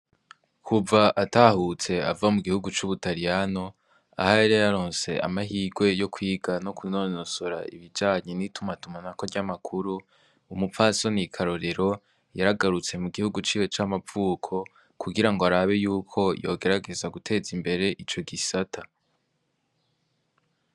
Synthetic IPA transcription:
kʰuvaʔatahut͡se̞a̰vamuɡihuɡut͡ʃuβutaɾijano̞ | a̰haeɾejaɾo̞ːnse̞̰a̰maɦiːɡwe̞jo̞kʰwiːɡano̞kunonosoɾa̰ḭβid͡ʒaːɲe̞nitʰumatumanako̞ɾɟamakʰuɾuː | mufaso̞nikʰaɾo̞ɾe̞ɾo̞ | jaɾaɡaɾut͡se̞muɡihuɡut͡ʃiːwe̞t͡ʃamavuːkʰo̞ | kʰuɡiɾaŋɡoaɾaβe̞juːkʰo̞jo̞̰ːɡe̞ɾaɡe̞zaɡutʰe̞ːzimbe̞ɾe̞ʔit͡ʃo̞ɡisatʰa

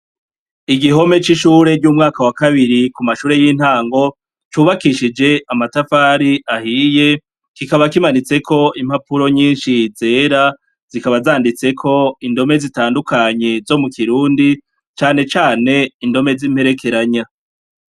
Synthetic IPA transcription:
iɡiɦo̞me̞t͡ʃiʃuːɾe̞d͡ʒɟuːmŋaːkawakaβiɾikumaʃuːɾe̞jiːn̥haːŋɡo̞ | t͡ʃuːβakiʃid͡ʒe̞ʔamatafaːɾiʔahiːje̞ | kikaβakimanit͡se̞kʰo̞im̥hapuɾo̞ɲiːnʃize̞ːɾa | z̥ikaβazaːndit͡se̞kʰo̞indo̞me̞zitaːndukʰaɲe̞zo̞mukiɾuːndi | t͡ʃaːne̞t͡ʃaːne̞indo̞me̞zim̥pe̞ɾe̞kʰe̞ɾaɲa

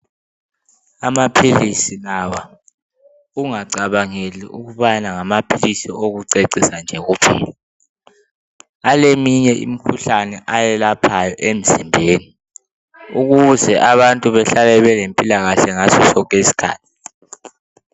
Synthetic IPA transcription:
amapʰilisilawa | uŋaǀaβaŋeliuɣuβanaŋamapʰilisioɣuǀeǀisand͡ʒʱɛɣuːpʰḭːɛ | alemiɲɛʔḭmikʰuɬanɛʔajɛlapʰajɔʔem̩zimbʱeːni | uɣuzɛʔaβantʼuβɛɬalɛβɛlempʼilaɣaɬɛŋasɔsɔkʼesi̥kʰa̰ːtʰi̥

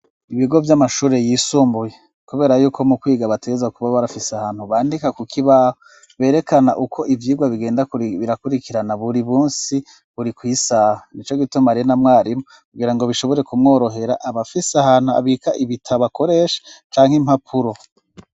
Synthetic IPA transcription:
iβiɡo̞vjamaʃuːɾe̞jiːsuːmbuje | kuβe̞ːɾajuːkʰo̞mukwiːɡaβateɡezakuβaβaɾafiseahaːn̥huβaːndikakukʰiβaho | βe̞ːɾe̞kanaʔukʰo̞ʔivjiːɡwaβiɡe̞ːndaβiɾakuɾikiɾanaβuɾiβuːnsi | βuɾikwiːsaːhanit͡ʃo̞ɡitumaɾienamŋaːɾimokuɡiɾaŋɡo̞βiʃo̞βo̞ɾe̞kumŋo̞ːɾo̞ɦe̞ɾa̰ʔaβafiseahaːn̥hua̰βikaʔiβitʰaβako̞ɾe̞ːʃḁt͡ʃaːŋ̥him̥hapʰuɾo̞

